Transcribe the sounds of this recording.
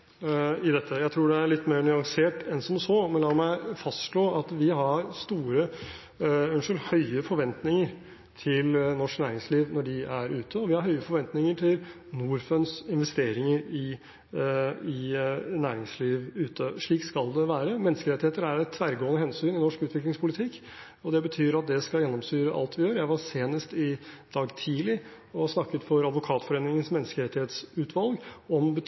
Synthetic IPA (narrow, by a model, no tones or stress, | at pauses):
ɪd̪ɛt̪ʰːəjæɪt̪ʰɾuːɖɛæɾɭɪt̪ːmeːɾnʏɑŋseːʈɛnsɔmsɔmɛnlɑːmæɪfɑst̪ʂɭoːɑt̪ʋɪɦɑɾst̪uːɾə | ʉnʂəlhœʏəfɔɾʋɛnt̪nɪŋəɾ | t̪ʰɪlnɔʂknæːɾɪŋsliːʋnɔɖɪæɾʉːt̪ʰəɔʋɪhɑɾɦœʏəɾfɔɾʋɛnt̪nɪŋəʈʰɪl | nuːɾfœnsɪnʋɛst̪eːɾɪŋəɾɪ | ɪnæːɾɪŋsliːʋʉːt̪ʰəʂɭiːkskɑld̪ɛʋæːɾəmɛnːəskəɾɛt̪ɪheːt̪əɾæɾɛt̪ʰːʋæɾɡoːənəhɛnsyːnɪnɔʂkʉːt̪ʋɪklɪŋspʰʊlɪt̪ʰɪkː | ɔd̪ɛbət̪ʰyːɾɑt̪̚d̪ɛskɑljɛnːɔmsyːɾəʔɑ̰lt̪ʰʋɪjøːɾjæɪʋɑseːnəst̪ɪd̪̥ɑːɡt̪ʰiːlɪ | ɔsnɑkːət̪fɔɾɑd̪ʋʊkʰɑːt̪fɔɾeːnɪŋənsmɛnːəskəɾɛt̪ːɪheːt̪sʉːt̪ʰʋɑlɡɔmbə